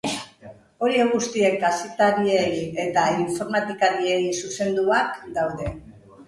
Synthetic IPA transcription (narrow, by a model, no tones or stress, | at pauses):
o̞ɾie̞ɣ̞ust̪ie̞kasit̪aɾieje̞t̪aiɱfo̞ɾmat̪ikaɾie̞jsuse̞nd̪uakd̪awðe̞